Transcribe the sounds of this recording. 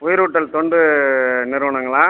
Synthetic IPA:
pʊjɪɾʊʈːɐlt̪ɔɳɖɯnɪɾɯʋɐɳɐŋɡɐɭaː

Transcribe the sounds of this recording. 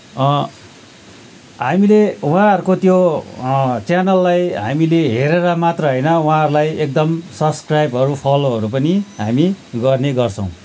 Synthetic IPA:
ɦamileuɦãɦʌɾukot̪jo | t͡sjanʌlːajɦa̰mileɦeɾeɾʌmat̪rʌɦʌjnʌwuãɦʌɾulajek̚d̪ʌmsʌbskrajbʌɾupʰʌloɦʌɾupʌniɦamiɡʌrneɡʌrt͡sʰʌ̃w̃

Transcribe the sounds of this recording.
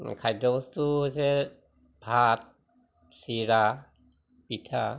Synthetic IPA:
kʰajdɔstuse | bʱat̚ | siɾa | pitʰa

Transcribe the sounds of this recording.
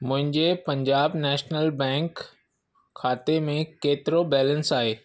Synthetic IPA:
mʊ̃ɦɪ̃ɲd͡ʑepɐ̃ɲd͡ʑaːbnɛːʃnəlbɛ̃ːŋkʰː | aːt̪emẽkeːt̪ɪɾobɛːlə̃nsaːɦeː

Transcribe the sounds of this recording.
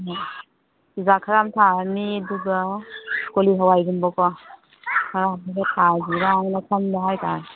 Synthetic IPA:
izakʰaɾamtʰaniduɡɐkoliɦawajɡumbɔkɔ | kʰaɾam̚duɡatʰaziɾaŋnakʰamdaɦajkʰan

